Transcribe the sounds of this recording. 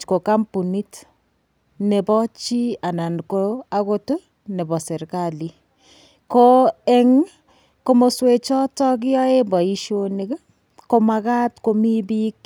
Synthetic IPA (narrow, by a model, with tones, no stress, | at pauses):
ko˨ka˦mpu˨ni˦t | ne˨bɔ˦t͡ʃi˦a˨na˨nko˦a˦ko˦to˦ | ne˨bɔ˨se˨ɾkali˨ | koɛ˦ŋ | ko˦mo˨swe˨t͡ʃɔ˦tɔ˦k̬jɔ˦e˦bɔ˨i˦ʃo˦ni˨k | ko˦ma˨ka˦tko˦mi˦bi˦k